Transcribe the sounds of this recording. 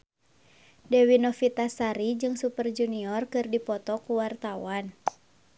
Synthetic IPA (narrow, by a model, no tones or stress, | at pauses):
dɛwinɔfit̪asaɾid͡ʒɨŋsupərd͡ʒuniɔrkɨrdipɔt̪ɔkuwart̪awan